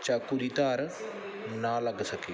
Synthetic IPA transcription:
t͡ʃakuɾit̪aːɾ | nalɐɡsɐkeː

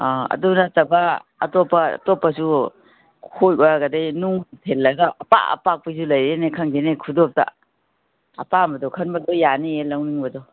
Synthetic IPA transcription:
aɐ̰dunatɐbɐ̰ːtopːɐ̰topːɐsu | kʰojbaɡɐdajnuŋtʰelːɐɡaɐpa̰ɐ̰pak̚pis̬ulɐjɾenekʰɐŋɡenekʰudop̚ta̰ | ɐpambɐdɔkʰɐnbɐdɔjanielawniŋbɐdɔ

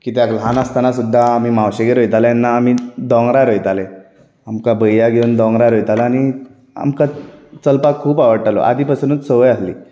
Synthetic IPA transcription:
kiːt̪jaklanast̪anas̬ud̪ʱːaːmiːmawɕəɡeɾojt̪aljanːaːm̤id̪ɔ̃ŋɡɾaɾojt̪ale | amkabəjjaɡʱeund̪ɔ̃ŋɡɾaɾojt̪alaːñi | a̰mkat͡səlpakʰːuːpaʋəɽʈalo̰ʔa̰d̪ʱiːpasunət͡ssəʋəjaslḭː

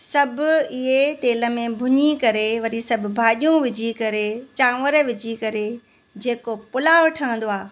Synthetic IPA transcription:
sɐbʱʊɪɦet̪eːlə̆mẽbʱʊɲikɐɾeʋɐɾisɐb̆ʱbʱaːɗijũʋɪd͡ʑʱikɐɾet͡ɕãːʋəɾʋɪd͡ʑʱikɐɾe | d͡ʑeːkopʊlaːʋʈʰɐə̃nd̪oaː

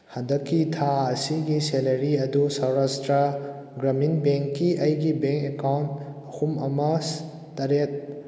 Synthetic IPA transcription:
handɐkːitʰaɐsiɡiselɐɾiɐdusawɾastɾɐ | ɡɾɐminbeŋkːiʔɐjɡibeŋkekawnt̚ɐhumɐmɐs | tɐɾet̚

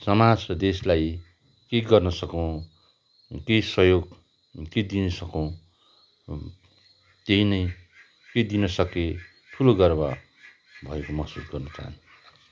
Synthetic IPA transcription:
sʌmad͡zʌd̪eslaj | keɡʌrnʌsʌkʌw̃ | kejsʌjoɡ | ked̪inʌsʌkʌw̃ | t̪eɦĩnʌj | ked̪inʌsʌke | ʈʰuloɡʌrba̰ | bʱʌekomʌsusɡʌrnʌt͡sa̰ɦʌ̰n

